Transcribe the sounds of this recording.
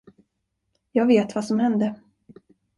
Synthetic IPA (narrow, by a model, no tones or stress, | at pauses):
jɑːɡveːt̪vasɔmhɛnd̪ə